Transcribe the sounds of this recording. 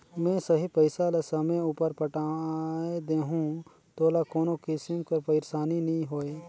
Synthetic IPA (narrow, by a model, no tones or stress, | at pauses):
mɛ̃ːsɐɦipəɪsalasɐmẽuːpəɾpəʈaed̪eːɦũ | t̪oːlakoːnokɪsɪmkɐɾpɐɪɾsaːninɐɦĩɦoːe